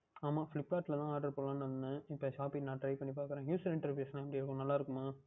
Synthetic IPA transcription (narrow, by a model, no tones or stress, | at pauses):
aːmaːflɪpːkaːʈlɐt̪ãːaːɾɖɐɾpoːɽlãːnʋɐnd̪nɯɪpːɐʃaːpinaːʈɾɐɪpɐɳːipaːkɾẽːjuːsɐɾɪ̃ɳʈɐɾʋjeːsɐnaɐpːɐɽɪɐɾɯkːʊ̃nɐlːaːɪɾɯkːʊmaː